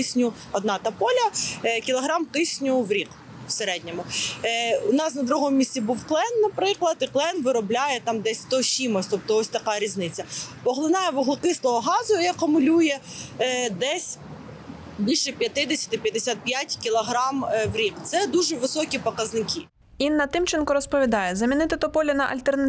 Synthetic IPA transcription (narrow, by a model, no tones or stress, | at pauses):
ɪsʲnʲʊ | ɔd̪nɑt̪ɐpɔlʲɐkʲilˠɔɦɾɑmkɪsʲnʲʊwɾʲik | w̥seɾɛdʲnʲɔmʊ | ʊnɑsnɐd̪ɾuɦɔmʊmʲisʲtʲibuwklˠɛnːɐpɾɪklˠɐt̪ɪklˠɛnʋɪɾɔblʲajɛt̪ɑmd̪ɛsʲt̪ɔsʲimɔsʲt̪ɔp̚t̪ɔɔsʲt̪ɐkɑɾʲiznɪt͡sʲːɐpɔɦlˠɪnɑjɛʋɔɦlˠɪkɪslˠɔɦɔɦɑzʊiɐkʊmʊlʲujɛ | d̪ɛsʲ | bʲilʲʃɛpʲjɐt̪ɪd̪esʲɐ̥t̪ɪpʲjɐd̪ɪsʲat̪̚pʲjatʲkʲilˠɔɦɾɑmʋɾʲikt̪sɛd̪uʒɛʋɪsɔkʲipɔkɐznɪkʲʰi | inːɐt̪ɪmt͡ʃɪnkɔɾɔspɔʋʲid̪ɑjɛzɐmʲinɪt̪ɪt̪ɔpɔlʲɪnɐʔɐ̰lʲt̪ernɐ